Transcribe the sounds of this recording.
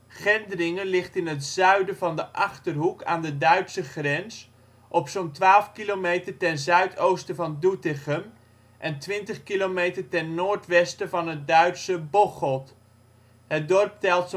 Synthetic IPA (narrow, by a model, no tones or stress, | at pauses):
χɛndərɪŋəlɪχtɪnətzœɥdəvɑndəʔɑχtərɦuka̰ːndədœɥtsəχrɛns | ʔɔpsontʋaːlˠfkilomejtərtɛnzœɥtʰowstəvɑndutɪχəm | ʔɛntʋɪntəχkilomejtərtɛnːoːɹtʋɛstəvɑnɦət̚dœɥtsəbɔχɔt | hət̚dɔrp̚tɛlˠts